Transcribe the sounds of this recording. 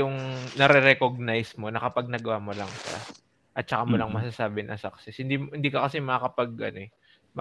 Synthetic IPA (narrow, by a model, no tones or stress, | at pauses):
ʊŋnɐɾɛɾɛkoɡ̚najsmo̞nɐkɐpaɡ̚naɡɐwaːmolɐŋʃa̰ | ʔɐt̪̚t͡ʃɐkamolɐŋmɐs̬aːsaːbɪnʔɐ̰saksɪshɪnd̪iːmhɪnd̪iːkɐkɐsɛmɐakɐpaɡ̚ʔɐ̰noɛ | mɐ